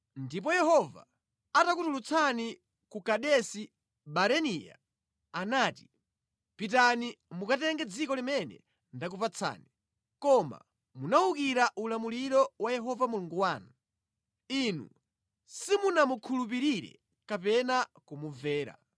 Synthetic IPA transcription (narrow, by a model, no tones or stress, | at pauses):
ndip̬ɔjɛhɔva̰ | atakutulut͡sʰani | kukaɗɛsi | ɓaɾɛnija̰ | anaːti̥ | pitanimukatɛŋɡɛd͡zikɔlimɛnɛ̰ | ndakupat͡sʰa̰ːni | kɔma̰ | munaukiɾaʔulamuliɾɔwajɛɦɔvamuluŋɡuwaːnu | inṵ | simunamukʰulup̬iɾiɾɛ̰ | kapɛnakumuvɛːɾa̰